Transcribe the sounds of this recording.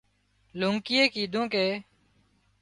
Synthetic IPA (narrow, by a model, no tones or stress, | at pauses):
luːŋkɪjeːkiːd̪ʱõːkeː